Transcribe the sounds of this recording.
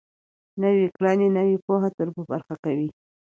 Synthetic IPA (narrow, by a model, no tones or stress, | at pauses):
nawikɽɑnenawipoɦat̪əɾbəba̰ɾxakawi